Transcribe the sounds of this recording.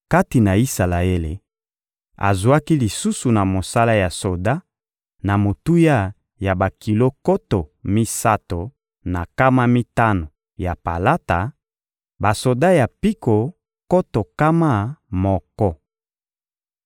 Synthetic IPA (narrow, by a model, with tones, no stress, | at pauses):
ka˦ti˨na˨i˦sa˨la˨e˦lḛ˨ | a̰˨zwa˦ki˦li˨su˦su˨na˨mo˨sa˦la˦ja˨so˨da˦ | na˨mo˨tu˦ja˦˨ | ja˨ba˨ki˨lo˦ko˦to˨mi˦sa˦to˨ | na˨ka˦ma˦mi˦ta˦no˨ | ja˨pa̰˨la˦ta˨ | ba˨so˨da˦ja˨pi˦ko˨ | ko˦to˨ka˦ma˦˨mɔ˨kɔ˦